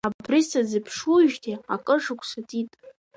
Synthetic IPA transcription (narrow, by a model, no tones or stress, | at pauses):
abrisad͡zɨpʰʂuʒtʰiakʼɨʐɨkʷʰsatʼitʼ